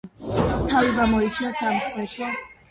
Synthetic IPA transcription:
t̪ʰaviɡamɔitt͡ʃ̪ʰinasamχʰvɛt̪ʰɔ

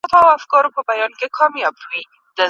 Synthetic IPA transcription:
t̪ɔawafkɑɾopəbajɑnkekʰɑmjɑbwi | d̪̥ə

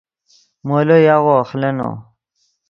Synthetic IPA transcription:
molojaɣoxleno̰

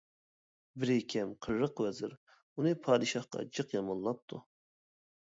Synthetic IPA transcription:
bɪɾekʲʰɛmqʰəɾːəqwɛzɪɾ | unɨpʰɑːd̪ɨʃɑχqɑ̰d͡ʒɨqjɑmɑnlˠɑp̚t̪ʰu

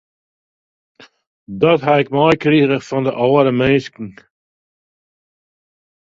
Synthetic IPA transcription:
dɔtɦaɪk̚mɔjkriɾəxfɔndə̰ʔɔːəɾəmenskŋ̩

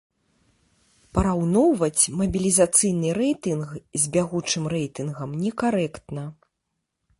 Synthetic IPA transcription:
pɐɾawnɔwvɐt͡sʲmɐbʲilʲizat̪sɨjnɨɾɛjt̪ɨnxzʲbʲaɣut͡ʂɨmrɛjt̪ɨnɣɐmnʲɛkaɾɛkt̪nɐ

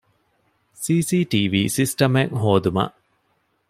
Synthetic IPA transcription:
siːsiːʈiːʋiːsisʈɐmeŋɦoːd̪umɐ̰ʔ

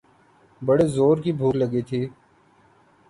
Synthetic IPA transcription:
bəɽeːzoːɾkiːbʱuːkləɡiːt̪ʰiː

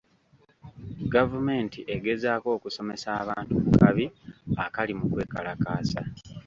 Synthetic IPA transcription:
ɡavume̞ːntiʔe̞ɡe̞zaːko̞ːkuso̞me̞saːβaːntumukaβiakalimukwe̞ːkalakaːsa̰

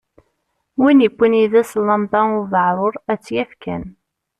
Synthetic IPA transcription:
winəkʷːəniðæslɑmd̪ˤɑʊvəʕɾˤoɾˤæt͡sːjæfkæn

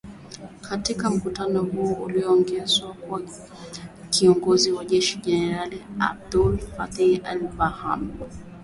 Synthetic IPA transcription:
kʰatikam̩kutanɔhuɔuliɔɔŋɡɛzwaka | kiɔŋɡɔziwaʄɛʃiʄɛnɛɾalia̰b̚dulfatɛalvaha̰m

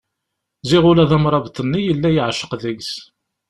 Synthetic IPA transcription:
zɪʁʊlæðæmɾˤɑvt̪ənːijəlːæjiʕʃə̥qðəɡs

